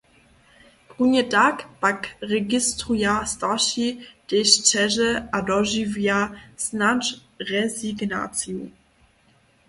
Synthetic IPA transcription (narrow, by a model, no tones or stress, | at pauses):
punɛtakpakʁɛɡistʁujastaʃid̥eɕt͡ʃɛʒəadɔʒivjasnat͡ʃ | ʁɛziɡna̰t͡sju